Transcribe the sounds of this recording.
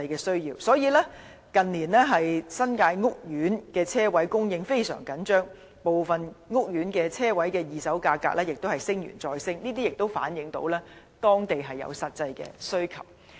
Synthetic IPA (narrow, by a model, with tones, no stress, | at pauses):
jkɛː˧sɵ˥ɥjiː˧wsɔː˨˥jiː˨˧lɛː˥ | kɐ˨nliː˨˩nlɛː˥ɦɐ˨jsɐ˥nkaː˧jŋʊ˥k̚jyː˨˥nkɛː˧t͡sʰɛː˥wɐ˨˥jkʊ˥ŋjɪ˧ŋfe˥jsœ̰ː˨˩ŋkɐ˨˥nt͡ʃœː˥ŋ | po˨wfɐ˨nŋʊ˥k̚jyː˨˥nkɛː˧t͡sʰɛː˥wɐ˨˥jkɛː˧jiː˨sɐ˨˥wkaː˧kːa̰ː˧k̚lɛː˥jɪ˨k̚t̪o˥hɐ˨˩jsɪ˥ŋjy̰˨˩nt͡sɔː˧jsɪ˥ŋniː˥t̪̬iː˥jɪ˨k̚t̪o˥wfa̰ː˨˥njɪ˨˧˥ŋt̪o̰˨˥wlɛː˥ | t̪ɔː˥ŋt̪e˨jɦɐ˨jːɐ̰˨˧wsɐ˨t̚t͡sɐ˧jkɛ̰ː˧sɵ˥ɥkʰɐ̰˨˩w̚